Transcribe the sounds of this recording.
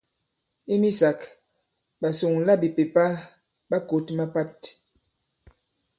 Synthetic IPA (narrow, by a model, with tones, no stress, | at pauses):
i˦mi˦sa˨k | ba˨su˨ŋ˨la˦˨bi˨pe˨pa˦ | ba˦ko˨tma˦pa˦t